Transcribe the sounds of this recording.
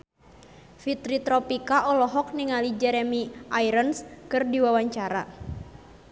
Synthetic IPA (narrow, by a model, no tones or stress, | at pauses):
fit̪ɾit̪ɾɔpikaʔɔlɔɦɔk̚niŋalid͡ʒɛɾɛmiʔajɾənskɨrdiwawaɲt͡ʃaɾa